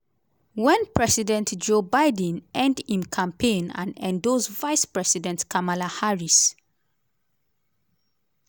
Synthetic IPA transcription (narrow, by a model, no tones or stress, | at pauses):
wɛ̃npʰɹɛsidɛ̃ntd͡ʒobaɪdə̃nɛ̃ndĩnkʰãmpʰẽnã̰nɛ̰̃ndozvaɪspɹɛsidɛ̃ntkʰamalahaɹis